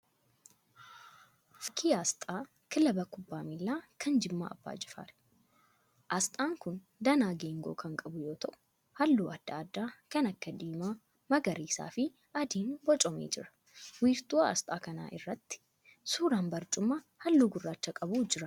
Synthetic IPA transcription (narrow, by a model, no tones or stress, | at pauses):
fɪkʰːiːaːst̪ʼaː | kɪlɐbɐkʊbːaːmɪlːaːkʰɐnd͡ʒɪmːa̰ːʔɐ̰bːa̰ːd͡ʒɪfa̰ːɾ̥ | ʔɐst̪ʼaːŋkʊn | d̪ɐnaːɡeːŋɡoːkɐŋkʼɐbʊjo̞ːt̪ɐʔʊ̥ | hɐlːuːɐd̪̥ːaːd̪ːaːkɐnɐkːɐd̪iːmaː | mɐɡɐɾiːsa̰ːfɪ | ʔɐd̪iːnbɔt͡ʃʼɔmḛːd͡ʒɪɾɐ̥ | wiːɾt̪ʼuɐ̰st̪ʼaːkɐna̰ːʔɪrːɐt̪ːɪ̥ | suːɾaːnbɐɾt͡ʃʼʊmːa | hɐlːuːɡʊrːaːt͡ʃːɐkʼɐbuːd͡ʒɪɾɐ